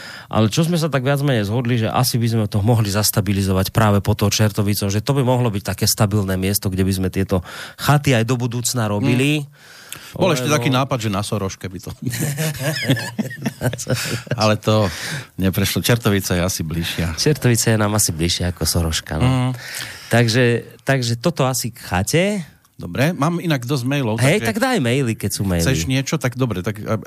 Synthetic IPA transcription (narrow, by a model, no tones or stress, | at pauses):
ʔa̰lɛt͡ʃɔzmɛs̬at̪aɡʋɪad͡zmɛɲɛjzɦɔd̪liʒɛʔa̰sibizmɛt̪ɔɦmɔɦlizast̪abilizɔʋacpɾaːʋɛpɔt̪ɔt͡ʃɛɾt̪ɔʋit͡sɔmʒɛt̪ɔbimɔɦlɔbic̚t̪akɛːst̪abilnɛːmɪɛst̪ɔɡɟɛbizmɛt̪ɪɛt̪ɔxat̪iajd̪ɔbud̪uːt͡snaɾɔbili | bɔlɛʃcɛt̪akiːnaːpad̪ʒɛnasɔɾɔʃkɛbit̪ɔ | sɔalɛt̪ɔɲɛpɾɛʃlɔt͡ʃɛɾt̪ɔʋit͡sajɛasibliʃɪat͡ʃɛɾt̪ɔʋit͡sajɛnaːmasibliʃɪaakɔsɔɾɔʃka̰nɔ | t̪aɡʒɛt̪aɡʒɛt̪ɔt̪ɔasikxa̰cɛ | d̪ɔbɾɛmaːminaɡd̪ɔzmɛjlɔʊɦaɛjt̪aɡd̪ajmɛjlikɛcsuːmɛjliʃɲɪɛt͡ʃɔt̪aɡd̪ɔbɾɛt̪ak